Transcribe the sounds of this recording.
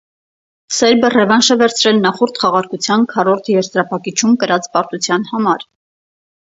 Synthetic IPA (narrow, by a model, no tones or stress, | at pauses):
sɛɾbərɛvɑnʃəvɛɾt͡sʰɾɛlnɑχɔɾt̪χɑʁɑɾkut͡sʰjɑnkʰɑɾɔɾt̪ʰjɛɾzɾɑpʰɑkit͡ʃʰumkəɾɑt͡spɑɾt̪ut͡sʰjɑnhɑmɑɾ